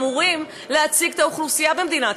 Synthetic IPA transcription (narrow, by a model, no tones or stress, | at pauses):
muʁim | leat͡siɡt̪auχlusijabe̞md̪inat